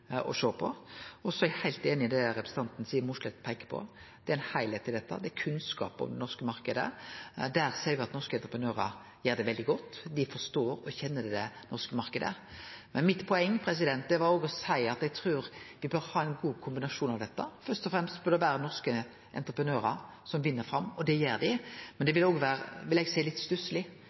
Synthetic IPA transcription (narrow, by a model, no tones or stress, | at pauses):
ɔ̰ʂøːpʰɔɔsɔæhæɪlt̪eːnɪd̪ɛɾɛpɾəsn̩t̪ɑnt̪n̩siːəɾmʊʂlɛt̪ːpʰæɪkə̥pʰɔ̰d̪̥ɛæɾæɪnhæɪleːt̪ɪld̪ɛt̪ːə̰d̪ɛækʰʉnskɑ̰ːpɔ̰md̪ɛnɔʁskəmɑɾkəd̪ə̰d̪æɾsæɪɾʋɪɑt̪nɔɾskəɛnt̪ɾəpənøːɾə | jeːɾd̪ɛʋɛld̪ɪɡɔt̪ːd̪ɪfɔʁst̪oːɾɔçɛnːəd̪d̪ɛnɔʁskəmɑɾʁkəd̪ə̰ | mɛnmɪt̪pʰɔɛŋːpʰɾɛs̬ɪd̪ɛnt̪̚d̪ɛʋɑɾoːɡɔsæɪɑt̪ɛɡ̚t̪ʰɾʉːɾʋɪbøːɾhɑːæɪnɡuːkʰʊmbɪnɑʂuːnɑʋd̪ɛt̪ːəfœʁst̪ɔfɾɛmst̪bœɾd̪ɛʋæːɾənɔʁskə | ʔɛ̰nt̪ɾəpɾənøːɾɑ | sɔmʋɪnːəfɾɑmːɔd̪ɛjeːɾd̪ɪmɛnd̪ɛʋɪloːɡʋæːɾəʋɪlɛɡsæɪlɪt̪st̪ʉsəlɪ